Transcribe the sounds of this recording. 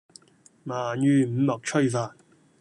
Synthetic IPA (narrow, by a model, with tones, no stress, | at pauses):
maː˨˩njyː˨˧m̩˨˧˥mɐ˨k̚t͡ʃʰɵ˥˧jfaː˨˩n̚